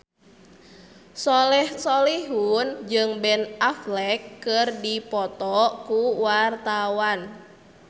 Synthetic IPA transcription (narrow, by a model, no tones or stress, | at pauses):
sɔlɛhsoliɦund͡ʒɨŋbɛnaflɛkːɨrdipɔt̪ɔkuwart̪awan